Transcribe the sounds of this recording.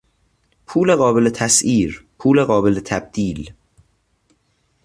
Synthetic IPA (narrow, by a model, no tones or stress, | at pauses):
pʰuːleɣɒːbe̞let̪ʰæsiːɾpʰuːleɣɒːbelet̪ʰæb̚d̪̥iːl